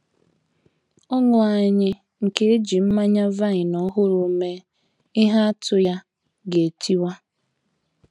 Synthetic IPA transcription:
ɔ˦ŋʊ˨a˨ɲɪ˦ | ŋ̩˨ke˦e˦d͡ʒi˨m̩˦ma˦ɲa˦va˦ɲɪ˨nɔ˦ɦʊ˦ɾʊ˨˦me˦ | ɪ˦ɦa˦a˦tʰʊ˨ja˦ | ɡe˨tʰi˦wa˦

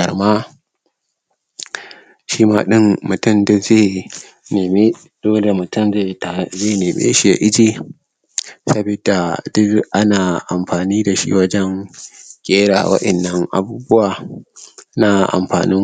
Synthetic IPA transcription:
ɐ˨ɽmaː˦ | ʃiː˦ma̰ː˦ɗɪ˦mmʊ˨tʊ˦˨mdʊ˦zeː˦˨ | nː˨me˦ | doː˦le˨mʊ˨tʊ˦˨mze˦˨ta˨zeː˦˨neː˨mḛː˦ʃi˨ja̰˨ʔɪ˦d͡ʒeː˨ | sɐ˦bi˨da˨dʊ˦ʔa˦naː˨ʔa˨mɸaː˨niː˦da˨ʃḭ˦wɐ˦d͡ʒɛ˦ŋkʲʼeː˦ɽa̰˨wɐ̰˦ʔɐ˨nːɐ˦ŋʔa̰˨buː˦bʊ˦waː˨ | na˦ʔa̰˨mɸa̰ː˨nɪ˦

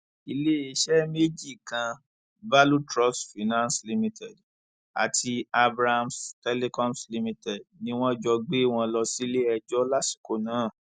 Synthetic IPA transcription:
i˧le˦e˧˦ʃɛ˦me˦d͡ʒi˦˨kã˧ | ba˦lu˦tɾɔ˦sfi˨nã˦nsli˧mĩ˧˦tɛ˨d | a̰˨tʰi˧a˧bɾa˦ha˧mstɛ˦le˦kɔ̃˦msli˧mĩ˧tɛ˨dnĩ˦w̃ɔ̃˦d͡ʒɔ˧ɡ͡be˦w̃ɔ̃˧lɔ˧si˦le˦ɛ˧d͡ʒɔ˦la˦si̥˨ko˦nãː˨˦˨

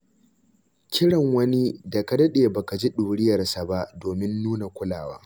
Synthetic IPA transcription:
kʲʰɪ˦ɽɐ˨ŋwɐ˦ni˦da˨ka˨˦dɐ˦ɗeː˨ba˨ka˨d͡ʒi˦ɗuː˨ɽɪ˦jɐ˨rsa˨ba˦ʔdoː˨mɪ˦nːuː˦na˨kʷʊ˦la̰ː˨wa̰ː˦

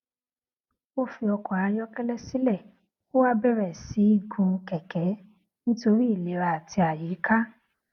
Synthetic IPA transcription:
o˦fi˧ɔ˧kɔ˨a˧jɔ˦kɛ˦lɛ˦si˦lɛ˦˨ | ko˦wa˦bɛ˦ɾɛ˨si˨˦i˦ɡũ˧kɛ˨kɛ˨˦ | nĩ˦to˧ɾi˦i˦˨le˨˦ɾa˧a˨ti˧a˨ji˨˦ka˦

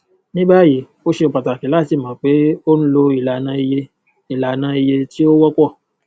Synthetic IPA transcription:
nĩ˦ba˦˨ji˨˦ | o˦ʃe˧o˨k͡pa˨ta˨ki˨˦la˦˨ti˨˦˨mã˨˦k͡pe˨˦o˦ñ̩˦lo˧i˨la˨nã˧i˧je˧ | i˨la˨nã˧i˧je˧ti˦o˦wɔ˦kɔ˦˨

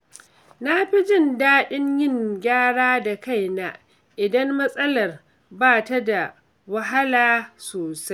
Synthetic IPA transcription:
na˦ɸi˦d͡ʒɪ˦˨ndaː˦ɗɪ˦ɲjɪ˦˨ŋɡʲaː˦ɽaː˦da˨ka˦jna˦ | ʔɪ˨dɐ˦mːɐ˦sʼɐ˦lɐ˨r | baː˦˨ta˦da˨ | wɐ˦ɦa˦laː˦soː˨sa˦j

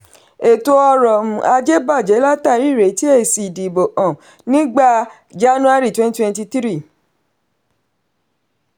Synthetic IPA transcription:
e˨to˧ɔ˧ɾɔ˨mũ˨a˧d͡ʒe˦ba˦˨d͡ʒɛ˨˦la˦ta˦˨ɾi˦˨ɾe˨˦ti˦e˦˨si˨di˨bo˨ʔɔ̃˨ | nĩ˦ɡ͡ba˦˨ | d͡ʒa˦nũ˦a˦ɾi˦˨twɛ̃˦n˦twɛ̃˦nti˧ti˦ɾi˦˨

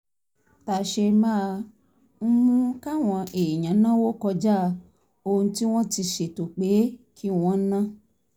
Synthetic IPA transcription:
ta˨ʃe˧mãː˦˧ | m̩˦mũ˦ka˦w̃ɔ̃˧ʔe˨jã˨˦nã˦wo˦kɔ˧d͡ʒa˦ | o˧ũ˧ti˦w̃ɔ̃˦ti˧ʃe˨to˨k͡pe˨˦kʰi˦w̃ɔ̃˦nã˦

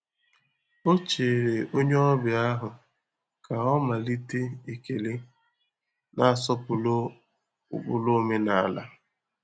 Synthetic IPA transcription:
o˦t͡ʃe˨ɾe˨ʔo˦ɲe˦ɔ˦bɪ˨a˦ɦʊ˨ | kʰa˨ɔ˦ma˨li˦te˦i˨ke˨le˦ | na˦a˨sɔ˦pʊ˨lo˦˨ | bʊ˦lo˦me˦na˨a˨la̰˦

